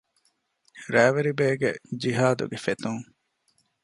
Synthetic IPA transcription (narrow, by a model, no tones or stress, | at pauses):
ɾæːʋeɾibeːɡed͡ʒiɦaːd̪ṵɡefet̪uŋ